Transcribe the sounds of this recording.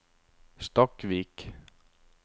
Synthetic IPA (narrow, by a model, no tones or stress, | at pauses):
st̪ɔkʋiːk